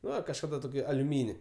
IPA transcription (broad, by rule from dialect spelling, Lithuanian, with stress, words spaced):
ˈnʊ ɪr kɐʃˈkɑːdɐ toːˈkʲiː ɐlʲʊˈmʲiːnʲɪ